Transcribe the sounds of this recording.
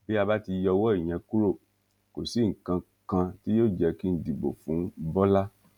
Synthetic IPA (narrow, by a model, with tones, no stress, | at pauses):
bi˦a˧ba˦ti˧jɔ˧wɔ˦i˨j̃ɛ̃˧ku˦ɾo˦˨ | ko˨si˦ŋ̩˨kã˧ | kã˧ti˦jo˦˨d͡ʒɛ˧ki˦n̩˨˦di˨bo̰˨fũ˨˦bɔ˦la˦